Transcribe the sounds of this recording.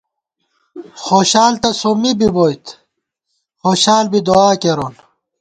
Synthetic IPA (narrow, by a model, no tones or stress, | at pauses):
xoːɕaːlt̪ɐsomibiboːjt̪ | xoːɕaːlbid̪oaːkeɾoːl